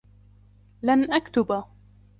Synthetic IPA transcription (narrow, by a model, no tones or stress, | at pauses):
lanʔakt̪ʊba